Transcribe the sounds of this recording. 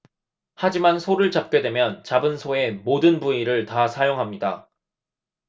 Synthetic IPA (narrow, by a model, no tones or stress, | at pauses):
had͡ʑimansʰoɾɯɭt͡ɕap̚k͈e̞dwe̞mjʌnt͡ɕabɯnsʰoe̞modɯnbuiɾɯɭtasʰajoŋɦamɲida̰